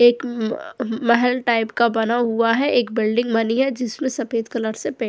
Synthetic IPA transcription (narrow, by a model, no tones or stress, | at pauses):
eːk | mɐɦɛlʈaːɪpkabɐnaɦʊaɦɛʔeːkbɪlɖɪ̃ŋɡmɐniɦɛd͡ʒɪsmẽsɐfeːd̪kɐləɾsepɛ